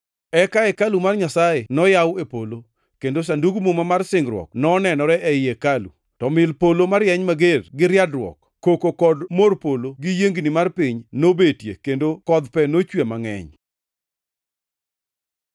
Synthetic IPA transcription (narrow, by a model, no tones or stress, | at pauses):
ɛkaɛkalumarɲasaenɔjawepolo | kendos̬anduɡmumamarsɪŋɡɾwɔ̰k̚nɔnɛnɔɾɛʔɛjekalṵ | tɔmɪlpolomaɾjɛɲmaɡerɡɪɾjadrwɔ̰k | kokokɔdmorpoloɡijeŋɡnimarpɪɲnobetjekendokɔd̪pɛnot͡ʃwemaŋɛ̰ɲ